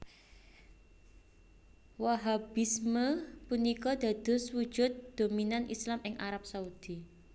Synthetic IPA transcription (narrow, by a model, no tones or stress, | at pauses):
waɦabisməpunikɔd̪̥a̤d̪̥ʊ̤swu̥ʒ̥ʊ̤t̪̚d̪̥o̤minanʔḭslamɪŋʔaɾap̚saud̪̥i